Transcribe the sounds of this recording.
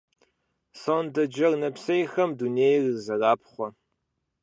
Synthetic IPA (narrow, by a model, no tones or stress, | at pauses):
sondɐd͡ʒɐrnɐpsɐjxɐmduneːjrzɐraːp̚χʷɔ